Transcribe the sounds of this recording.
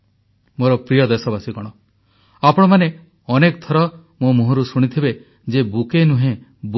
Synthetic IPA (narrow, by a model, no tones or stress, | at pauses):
moɾɔpɾijɔd̪esɔbasikɔɽ̃ɔ | apɔɽ̃ɔmane | ɔnekt̪ʰɔɾɔ | momuɦɔɾusuɽ̃it̪ʰibe | d͡ʒebukenũɦẽb